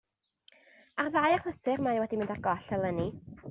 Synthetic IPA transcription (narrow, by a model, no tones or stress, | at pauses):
arðajaχləθɨrmajwɛdimɪ̃ndarɡɔɬɛlˠəni